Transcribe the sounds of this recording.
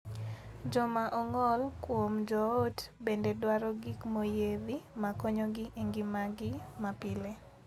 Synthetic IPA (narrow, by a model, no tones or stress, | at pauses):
d͡ʒɔmaʔɔŋɔlkwomd͡ʒɔotbendedwaɾɔɡikmojeðimakɔɲɔɡɪʔeŋɡimaɡɪmapɪle